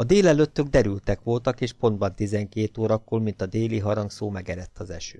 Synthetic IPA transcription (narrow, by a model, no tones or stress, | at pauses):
ɒd̪eːlɛløt̪ːøɡ̚d̪ɛɾylt̪ɛkʋo̞lt̪ɒkeːʃpo̞nd̪̚bɒnt̪izɛŋkeːt̪oːɾɒkːoːlmint̪ɒd̪eːliɦɒɾɒŋksoːmɛɡɛɾɛt̪ːɒzɛ̰ʃø̰ː